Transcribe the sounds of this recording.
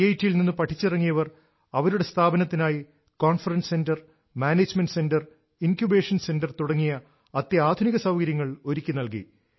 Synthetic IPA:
ɐjtːijilninːɨpɐʈʰːit͡ɕːirɐŋːijɐʋɐr | ɐʋɐɾuɽe̞st̪ʰaːbɐnɐt̪ːinaːji | koːnfɐrɐnsse̞ndɐr | maːneːd͡ʑmenɖse̞ndɐr | inkjube̞ːʂɐnse̞ndɐrt̪uɽɐŋːijɐ | ɐt̪ːjɐaːd̪ʱuniɣɐsɐwkɐɾjɐŋːɐɭo̞ɾikʲːinɐlkḭ

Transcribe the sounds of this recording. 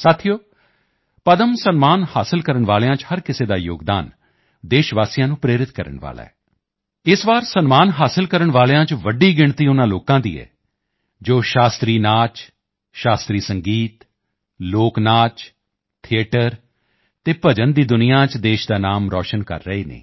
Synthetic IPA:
saːt̪ʰijoː | pəd̪əmsənmaːnhaːsəlkəɾəɳʋaːljãːt͡ʃhəɾkɪseːd̪aːjo̰ːɡd̪aːn | d̪eːʃʋaːsijãːnũːpɾeːɾɪt̪kəɾə̰ɳʋa̰ːla̰ːɛː | ɪsʋaːɾsənmaːnɦaːsɪlkəɾəɳʋaːljãːt͡ʃʋəɖiːɡɪɳt̪iːʊnãːloːkãːd̪ḭːɛ̰ː | d͡ʒoːʃaːst̪ɾiːnaːt͡ʃ | ʃaːst̪ɾiːsəŋɡiːt̪ | loːknaːt͡ʃ | t̪ʰɪeːʈəɾ | t̪eːpəd͡ʒənd̪iːd̪ʊnijãːt͡ʃd̪eːʃd̪aːnaːmɾɔ̰ːʃənkə̰ɾːəeːnḛː

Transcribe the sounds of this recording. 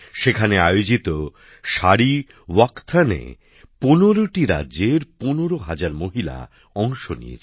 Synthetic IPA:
ʃekʰaneajod͡ʑit̪o | ʃaɾi | wakt̪ʰanḛ | ponoɾoʈiɾa̰dːʑeɾponoɾoɦad͡ʑaɾmoɦila̰ | ɔŋʃonḭḛt͡ɕʰ

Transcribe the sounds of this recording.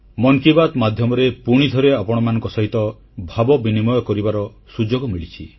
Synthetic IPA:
mɔŋkibat̪mad̪ʱjɔmɔɾepuɽ̃id̪ʱɔɾeapɔɽ̃ɔmanɔ̃ŋkɔsɔɦit̪ɔ | bʱabɔbinimɔjɔkɔɾibaɾɔ | sud͡ʒoɡɔmiɭit͡ʃʰi

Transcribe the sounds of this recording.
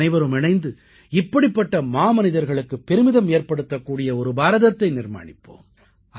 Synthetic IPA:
ɐɪʋɐɾɯmɪɳɐɪnd̪ɯ | ɪpːɐɽɪpːɐʈːɐmaːmɐnɪðɐɾɣɐɭɯkːɯpːɛɾɯmɪðɐmeːɾpɐɽɯt̪ːɐkːuːɽɪjɐɔɾɯbaːɾɐðɐt̪ːɐɪnɪɾma̰ːɳɪpːo̰ːm

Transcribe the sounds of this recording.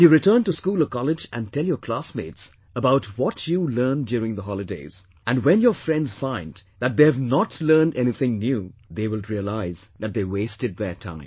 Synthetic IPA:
juɾɪtʰəːntuskuːlɔvkʰɑlɪd͡ʒæ̰̃ntʰɛlˠjəkʰl̥asmeːdz̥ | əbaʊtwɔtʰjulɜːndjuɾɪ̃ŋðəɦɔlˠɨdeɪz̥ | ʔæ̃nwɛ̃njɔfɹɛ̃ndz̥fãɪ̃ndðæt̚d̪eævnɔtʰlɜ˞ndɛniθɪ̃ŋnjuːðeːwɪlˠɹiəlaɪzðæt̚d̪eːweɪstɨd̪̚ðətʰã̰ɪ̃m

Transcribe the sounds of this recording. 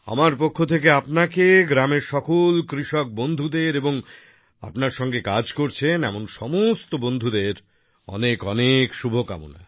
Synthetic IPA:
a̰maɾpokʰːot̪ʰek̬eapnakeɡɾameɾʃɔkolkɾiʃɔk̚bond̪ʱud̪eɾeboŋ | a̰pnaɾʃɔŋɡekad͡ʑkoɾt͡ɕʰenɛmonʃɔmost̪obond̪ʱud̪eɾ | ɔ̰nekɔnekʃubʱoka̰mṵna̰

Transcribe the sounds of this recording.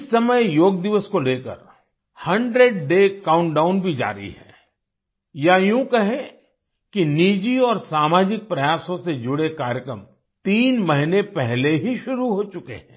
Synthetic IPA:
ɪsːɐməjjoːɡ̚d̪ɪʋəskoleːkə̰ɾ | hɐ̃ɳɖɾeɖ̚ɖeːkaːʊ̃ɳʈɖaːʊnbʱid͡ʒa̰ːɾḭɦɛ̰̃ː | jajũkɐɦẽ | kiniːd͡ʒiɔːɾsaːmaːd͡ʒɪk̚pɾɐjaːsõsed͡ʒʊɽekaːɾjəkɾə̰m | t̪iːnmɐɦɪnepɛɦleɦiʃʊɾuɦoːt͡ʃʊkḛɦɛ̰̃ː

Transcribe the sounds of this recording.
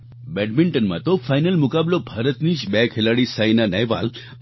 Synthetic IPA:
bɛʈmiɳʈənma̰t̪ofajnəlmukablobʱaɾət̪niːɕbɛkʰɦelaɽiːsajnanɛjʋa̰l

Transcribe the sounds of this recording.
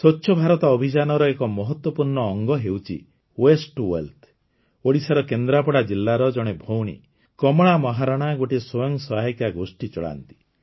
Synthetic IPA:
sɔt͡ʃːʃʰɔbʱaɾɔt̪ɔːbʱid͡ʒanɔɾɔekɔmɔɦɔt̪wɔpuɾɳɔːŋɡɔɦewt͡ʃʰḭ | wesʈwḛlt̪ʰ | oɽisaɾɔkend̪ɾapɔɽad͡ʒilːaɾɔd͡ʒɔɽ̃ebʱowɽ̃ḭ | kɔmɔɽ̃amɔɦaɾaɽ̃aɡoʈiswɔjɔŋsɔɦajkjaɡosʈit͡ʃɔɭa̰nt̪i̥

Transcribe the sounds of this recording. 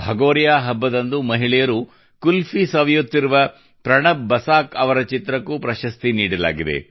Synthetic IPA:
bʱɐɡoːɾjaːɦɐbːɐd̪ɐnd̪umɐɦiɭɛjɐɾu | kulfʰisɐʋɐjut̪ːiɾuʋɐ | pɾɐɳɐːɐsaːkɐʋɐɾɐt͡ʃit̪ɾɐkːupɾɐʃɐst̪iniːɽɐla̰ːɡid̪ḛ

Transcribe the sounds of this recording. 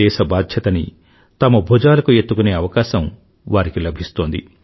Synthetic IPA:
ɛːʃɐbaːd̪ʱjɐt̪ɐnḭ | t̪ɐmɐbʱud͡ʒaːlɐkuet̪ːukune̞ːɐʋɐkaːʃɐm | ʋaːɾikilɐbʱist̪o̞ːnd̪ḭ

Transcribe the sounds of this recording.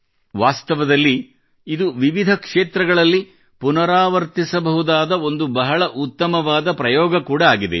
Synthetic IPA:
ʋaːst̪ɐʋɐd̪ɐlːi | id̪uʋiʋid̪ʱɐkʂeːt̪ɾɐɡɐɭɐlːi | punɐɾaːʋɐɾt̪isɐbɐɦud̪aːd̪ɐo̞nd̪ubɐɦɐɭɐʔut̪ːɐmɐʋaːd̪ɐpɾɐjɔːɡɐkuːɽɐaːɡid̪ḛ

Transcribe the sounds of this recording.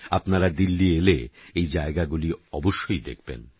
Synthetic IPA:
apnaɾad̪ilːieleejd͡ʑaeɡaɡuliɔboʃːojd̪ḛkʰbḛn

